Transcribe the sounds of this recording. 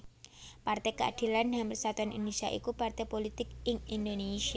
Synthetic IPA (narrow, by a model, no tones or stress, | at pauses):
part̪ɛkəad̪̥i̤landamprisat̪uanʔḭndesia̰ʔḭkupart̪ɛpolit̪ɪk̚ɪŋind̪onesia